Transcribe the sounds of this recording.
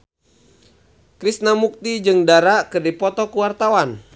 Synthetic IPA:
kɾisnamuk̚t̪id͡ʒɨŋdaɾakɨrdipɔt̪ɔkuwart̪awan

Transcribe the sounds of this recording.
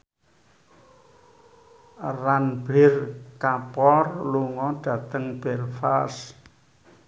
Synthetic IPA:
ranb̥ɛrkapɔrluŋɔɖ̥ä̤t̪əŋb̥ɛrfas

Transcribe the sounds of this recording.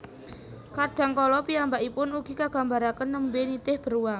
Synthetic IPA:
kaɖ̥a̤ŋkɔlɔpiambaʔipʊnuɡ̥i̤kaɡ̥a̤mbaɾakənːəmbenit̪ɪhb̥ə̤ɾuwaŋ

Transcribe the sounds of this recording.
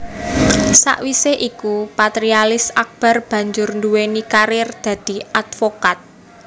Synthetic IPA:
sa̰ʔwiseʔikupat̪ɾialɪsak̚b̥a̤rb̥ä̤ɲd͡ʒʊrnduwenikaɾɪrd̪̥ä̤d̪̥i̤at̪fokat̪̚

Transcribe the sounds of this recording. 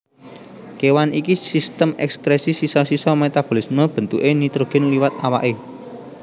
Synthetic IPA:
kewanikisist̪əmɛ̰kspɾesisisɔsisɔmet̪ab̥o̤lismɔb̥ə̤nt̪ṵʔenit̪ɾoɡ̥ɪnliwat̪awa̰ʔe

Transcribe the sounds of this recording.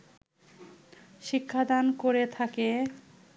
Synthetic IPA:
ʃikʰːad̪ankoɾet̪ʰake

